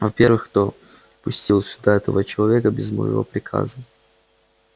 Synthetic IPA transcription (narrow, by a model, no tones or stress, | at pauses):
vɐpʲe̞ɾvɨxkt̪o | pʊsʲtʲilˠsʲʊd̪aɛt̪əvət͡ɕɪlˠɐvʲekəbʲɪzmə̰jɪ̰vo̰pɾʲɪkʰa̰zə